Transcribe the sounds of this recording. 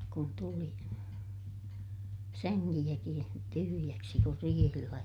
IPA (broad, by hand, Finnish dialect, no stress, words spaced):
kun tuli sæŋːilːækĩː tyhyjæksi kur riːhilːæ